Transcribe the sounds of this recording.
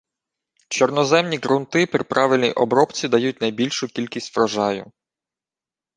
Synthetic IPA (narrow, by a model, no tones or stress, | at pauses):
t͡ʃɔrnɔzɛmnʲiɡɾʊnt̪ɪpɾʲɪ̰pɾɑʋɪlʲnʲiʔɔbɾɔpt͡sʲid̪ɐjut̚ʲnɐjbʲilʲʃʊkʲilʲkʲisʲtʲʋɾɐʒɑjʊ̰